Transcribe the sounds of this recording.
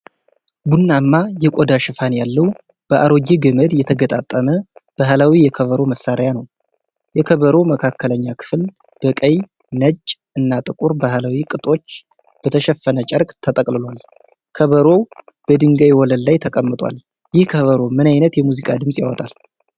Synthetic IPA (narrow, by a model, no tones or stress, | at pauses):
bunːamːajɛkʼod̪aʃɪfanjalːəw | b̥əʔaɾo̞ɡiɡəməd̪jɛt̪ʰəɡət̪ʼa̰t̪ʼːəməb̥aɦalawijɛkʰəβəɾo̞məsːaɾjanəw | jɛkʰəβəɾo̞məkʰakʰːələɲːakʰɨ̥fl | b̥əkʼəj | nət͡ʃʼːʔɨnːat̪ʼɨkʼuɾbahalawikʼɨt̪ʼo̞t͡ʃː | b̥ət̪ʰəʃɛfːənət͡ʃʼəɾkʼt̪ʰət̪ʼəkʼlɨlwal | kʰəβəɾo̞ | b̥əd̪ɨŋɡajwɔləllajt̪ʰəkʼəmːɨt̪ʼwa̰l | jɪhkʰəβəɾo̞mɨnajnət̪jɛmuzikʼad̪ɨmsʼja̰wɔt̪ʼal